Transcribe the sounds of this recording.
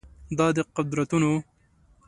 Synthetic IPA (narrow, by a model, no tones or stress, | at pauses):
d̪ɑːd̪eqʊd̪ɾɐt̪uno